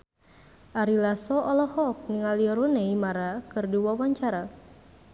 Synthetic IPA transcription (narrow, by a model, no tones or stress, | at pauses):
ʔaɾilasɔɔlɔhɔk̚niŋaliɔɾunɛimaɾakɨrdiwawaɲt͡ʃaɾa